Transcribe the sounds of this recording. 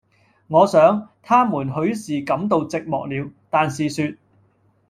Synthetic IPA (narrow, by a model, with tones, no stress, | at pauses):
ŋɔː˨˧sœː˨˥ŋt̪ʰaː˥muː˨˩nɦɵ˨˥ɥsiː˨kɐ˨˥mt̪̬o˧wt͡sɪ˨k̚mɔː˨k̚liː˨˧wt̪aː˨nsiː˨syː˧t̚